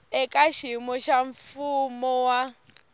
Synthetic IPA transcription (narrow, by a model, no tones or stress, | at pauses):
ɛkʼaʃimɔʃaɱ̩fumɔwa